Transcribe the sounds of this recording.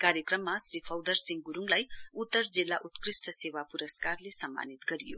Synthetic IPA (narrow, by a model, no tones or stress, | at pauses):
kaɾjʌkrʌmːasɾipʰawd̪ʌrsiŋɡɡuɾuŋlajut̪ːʌrd͡zilːaʔut̪krisʈʌsewapuɾʌskarlesʌmːa̰nit̪ɡʌɾijo̰